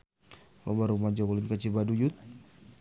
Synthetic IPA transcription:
lɔbaɾumad͡ʒawulɪnkat͡ʃibadujut̪̚

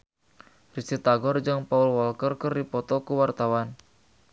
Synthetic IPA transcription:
risit̪aɡɔrd͡ʒaŋpaulwɔlkərkərdipɔt̪ɔkuwart̪awan

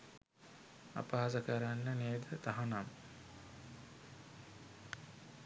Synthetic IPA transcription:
a̰paːsəkəɾanːəned̪ət̪aɦanam

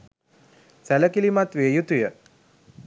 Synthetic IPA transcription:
sæləkilimat̪ʋeːjut̪ujə

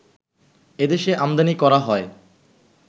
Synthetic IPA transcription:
ed̪eʃeʔamd̪anikɔɾaɦɔe

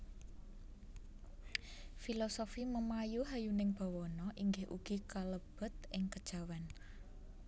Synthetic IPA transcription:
filɔsofiməmajuɦajunɪŋb̥a̤wɔnɔʔiŋɡɪhʔṵɡ̥i̤kaləb̥ə̤t̪̚ɪŋkəd̥ʒ̥a̤wan

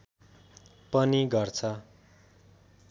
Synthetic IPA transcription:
pʌniɡʌrt͡sʰʌ

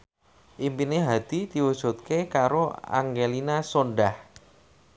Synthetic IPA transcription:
ʔimpineɦad̪̥id̪̥iwusot̪̚kekaɾoa̰ŋɡelinasonɖah

